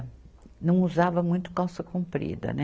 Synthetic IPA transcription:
nɐ̃w̃uzavɐmũj̃t̪ʊ̥kawsɐkũmpɾḭd̪ɐ̰nɛ

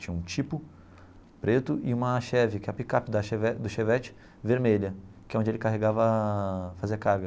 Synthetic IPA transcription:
t͡ʃĩɲɐũt͡ʃipʊ | pɾet̪ʊʔɪũmɐʃɛvɪkɪɛpikapɪd̪ɐʃevɛd̪ʊʃevɛt͡ʃɪ̥ | veɾmeʎɐkɪɛõd͡ʒelɪkaɦeɡavɐfaziɐkaɾɡɐ

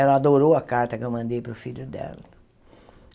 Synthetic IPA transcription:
ɛlɐad̪oɾowɐkaɾt̪ɐkɪemɐ̃nd̪ejpɾʊfilʊd̪ɛ̰lɐ

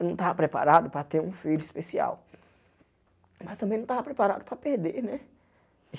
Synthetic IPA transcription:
nɐ̃w̃t̪avɐpɾepa̰ɾad̪ʊpɾɐt̪eɾũfiʎʊispesia̰w | mɐst̪ɐ̃mbẽnɐ̃w̃t̪avɐpɾepaɾa̰d̪ʊpɾɐpeɾd̪eɾnɛ

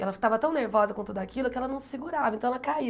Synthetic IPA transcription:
ɛlɐfi̥t̪avɐt̪ɐ̃w̃neɾvɔzɐkõt̪ud̪ʊakilʊkɪɛlɐnɐ̃w̃ssɪɡuɾavɐẽt̪ɐ̃ɛlɐkai

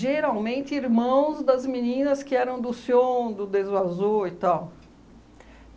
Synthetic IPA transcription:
ʒeɾawmẽnt̪ɪiɾmɐ̃w̃zd̪ɐzminĩnɐskɪɛɾɐ̃w̃d̪ʊsiõd̪ʊd̪ezvazoɪt̪aw

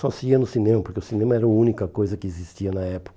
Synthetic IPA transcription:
sɔsɪɡiɐnʊsinẽmɐpoɾkeʊsinẽmɐɛɾɐʊũnikɐkojzɐkɪezist͡ʃiɐnɐɛpʊ̥kɐ

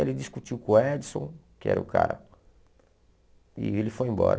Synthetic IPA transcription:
elɪd̪iskut͡ʃiwkõɛd̪sõ̰kɪɛ̰ɾɐʊka̰ɾɐ̰ | ɪelɪfojẽmbɔ̰ɾɐ

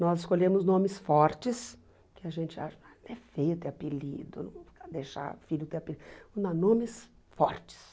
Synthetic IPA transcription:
nɔzɪskoʎẽmʊznõmɪsfɔɾt͡ʃɪs | kɪaʒẽnt͡ʃɪa̰ʃɐ | t̪ɛfejʊt̪eɛapelid̪ʊ̰nɐ̰̃ad̪ejʃa̰fiʎʊt̪epilĩãnõmɪs | fɔɾt͡ʃɪ̥s

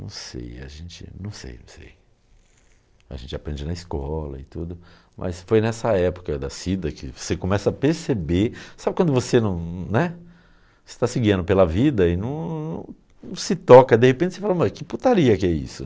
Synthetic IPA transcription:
nɐ̰̃w̃sḛja̰ʒẽt͡ʃɪ̰nɐ̃w̃sḛjnɐ̰̃w̃sḛj | a̰ʒẽt͡ʃɪapɾẽnd͡ʒinɐiskɔlɐ̰ɪt̪ud̪ʊ | mʔɐ̰sfojnɛsɐɛpo̥kɐd̪ɐ̰sid̪ɐkɪ̰vosekõmɛsɐːpeɾsebeɾsabɪkwɐ̃nd̪ʊvosenɐ̃w̃nɛ | ɪ̥st̪asɪɡiɐ̃nd̪ʊpelɐvid̪ɐɪnɐ̃w̃nɐ̰̃w̃ | sɪt̪ɔkɐd̪ehepẽntt͡ʃɪ̥sefalɐmakɪput̪aɾiɐkɪɛḭsʊ̰

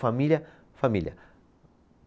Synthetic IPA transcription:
familʲjɐ | familʲjɐ̰

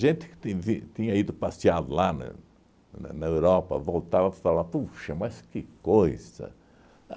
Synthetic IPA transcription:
ʒẽnt̪ɪ̥kɪ̥t̪ẽvĩt̪ĩɲɐid̪ʊpasiad̪ʊlanɐ̰ | n̰nɐewɾɔpɐ̰vowt̪avɐpat̪alapuʃɐmɐskɪkojz̥ɐ̰

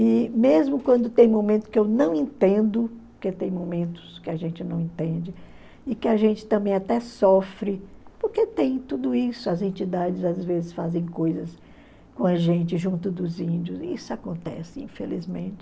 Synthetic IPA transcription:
ɪmezmʊkwɐ̃nd̪ʊt̪ẽj̃momẽnt̪ʊ̥skɪewnɐ̃w̃ẽnt̪ẽnd̪ʊpoɾket̪ẽj̃momẽnt̪ʊ̥skɪaʒẽnt͡ʃɪnɐ̃w̃ẽnt̪ẽnd͡ʒɪ | ɪkɪaʒẽnt͡ʃɪ̥t̪ɐ̃mbẽj̃at̪ɛsɔfɾɪpoɾket̪ẽj̃t̪ud̪ʊisʊɐzẽnt͡ʃid̪ad͡ʒɪzazvezɪsfazẽj̃kojzɐs | kõɐʒẽnt͡ʃɪʒũnt̪ʊd̪ʊzĩnd͡ʒiʊzḭsʊakõnt̪ɛ̰sɪɪĩfḛlḭzmẽnt͡ʃɪ

